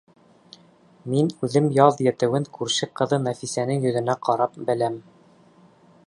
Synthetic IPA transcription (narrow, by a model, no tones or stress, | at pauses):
minʉðɘmjɑðjæ̆t̪ɘ̆wɘŋkʉɾʃɘqɤ̆ðɤnæfisænɘŋjɵ̆ðɘ̆næqʰɑɾɑp̚bɘ̆læm